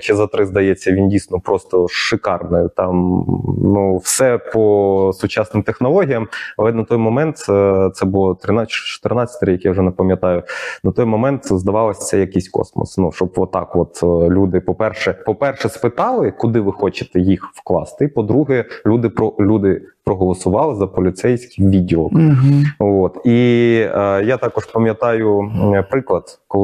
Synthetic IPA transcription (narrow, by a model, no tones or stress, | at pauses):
t͡ʃɪzɐt̪ɾɪzd̪ɐjɛt͡sʲːɐʋʲindʲijsʲnɔpɾɔst̪ɔʃɪkɑrnɪt̪ɑmnuwsɛpɔsʊt͡ʃɑsnɪmt̪exnɔlˠɔɦʲijɐmɐlˠɛnɐt̪ɔjmɔmɛnt̪t̪sɛbʊlˠɔt̪ɾɪnɑt͡ʃɔ̥t̪ɪrnɑt͡sʲːɐ̥t̪ɾʲijɐkjawʒɛnɛpɐmʲjɐt̪ɑjʊnɐt̪ɔjmɔmɛnt̪zd̪ɐʋɑlˠɐsʲɐjɐkɪsʲkɔ̰smɔ̰snuʃt͡ʃɔbʋɔt̪ːɑ̰kʋɔt̪lʲud̪ɪpɔpɛrʃɛpɔpɛrʃɛspɪt̪ɑlˠɪkʊd̪ɪʋɪxɔt͡ʃɪ̥t̪ɛjixwklˠɑ̰st̪ɪpɔd̪ɾuɦɛlʲud̪ɪpɔlʲud̪ɪpɾɔɦɔlˠɔsʊʋɑlˠɪzɐpɔlʲɪt̪sɛjsʲkɪjʋʲidʲɪlˠɔk | ot̪i | jat̪ɑkɔʃpɐmʲjɐt̪ɑjʊpɾɪklˠɐd̪̥kɔ